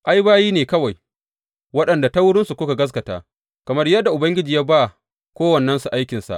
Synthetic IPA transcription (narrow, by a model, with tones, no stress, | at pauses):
ʔa˦jbaː˦jiː˦neː˨kɐ˦wa˨j | wɐ˦ɗɐ˨nda˨ta˦wʊ˦ɽɪ˦nsu˨kʷʊ˦ka˨ɡɐ˦s̬kɐ˨ta̰ː˨˦ | kɐ˨mɐ˦rjɐ˦dːa˨ʔʊ˨bɐ˦ŋɡʲɪ˦d͡ʒiː˨jaː˦ba˦ | kʷoː˦wɐ˨nːɐ˦nsu˨ʔa˦jkʲɪ˨nsa̰˨ʔ